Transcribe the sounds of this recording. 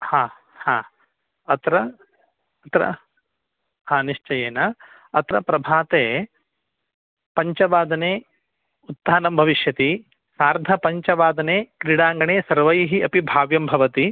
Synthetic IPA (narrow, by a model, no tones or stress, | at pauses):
hãː | haː | ɐt̪ɾɐ | ɐt̪ɾɐ̰ | haːniʂt͡ʃɐjeːna | ɐt̪ɾɐpɾɐbʱaːt̪eː | pɐɲt͡ʃɐʋaːd̪ɐneː | ut̪ːaːnɐmbʱɐʋiʃjɐt̪i | saːɾd̪ʱɐpɐɲt͡ʃɐʋaːd̪ɐneːkɾiɽaːŋɡɐɳeːsɐɾʋɐjɦiɐpibʱaːʋjɐmbʱɐʋɐt̪i